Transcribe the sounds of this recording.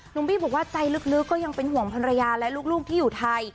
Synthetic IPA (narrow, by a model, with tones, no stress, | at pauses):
nu˧˩˦ŋbiː˥˩bɔː˨˩k̚waː˥˩t͡ɕa˧jlɯ˦˥k̚lɯ˦˥kːɔː˥˩ja˧ŋpe˧nɦu˨˩ə˦ŋpʰɔ˧nɾa˧jaː˧lɛ˦˥luː˥˩k̚luː˥˩k̚t̪ʰiː˥˩juː˨˩t̪ʰa˧j